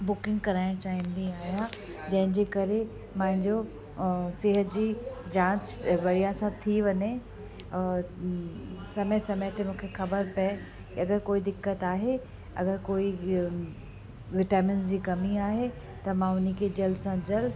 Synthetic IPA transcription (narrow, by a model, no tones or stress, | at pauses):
bʊkɪ̃ŋɡkɐɾaːɪɽ̃t͡ɕaːɦĩnd̪ĩaːɦijã | d͡ʑɐ̃ɦɪ̃ɲd͡ʑeːkɐɾe | mãːɦɪ̃ɲd͡ʑo | sɪɦət̪̚d͡ʑiːd͡ʑãːt͡ɕʋɐɽijãsãt̪ʰiʋɐɲe | sɐməjsɐməjt̪emũːkʰexɐbəɾpɛ | kiɐɡəɾkoːid̪ɪkːət̪aːɦe | ɐ̰ɡəɾkoːi | ʋɪʈaːmɪnzd͡ʑiːkɐmiaːɦe | t̪ɐmãʊnikʰed͡ʑɐlsãd͡ʑɐl